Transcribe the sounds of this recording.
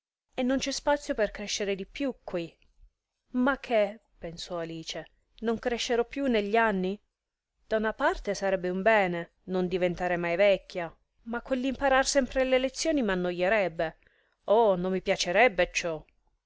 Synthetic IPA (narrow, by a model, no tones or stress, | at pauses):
enːont͡ʃɛspat̪sːjoperkɾɛʃːeɾed̪ipjukʰːwi | makʰːepensɔaliːt͡ʃe | noŋkɾeʃːeɾɔpːjunːeʎːanːi | d̪̥aunapart̪esaɾɛbːeumbɛːne | nond̪ivent̪aːɾemajvɛkʰʲːa | makːelːimpaɾarsɛmpɾelelet̪sːjoːnimanːojːeɾɛbːe | onomːipjat͡ʃeɾɛbːet͡ʃɔ